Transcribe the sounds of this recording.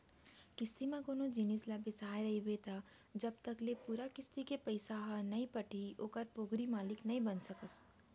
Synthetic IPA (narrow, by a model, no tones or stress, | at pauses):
kɪst̪imẽkoːnod͡ʒɪnɪslabɪsaːeɾɐɦiʋeːt̪a | d͡ʒɐb̚t̪əɐklepuːɾakɪst̪ikepəɪsaɦanɐĩpɐʈʰioːkəɾpoːɡɾimaːlɪknɐĩbɐnsɐkəs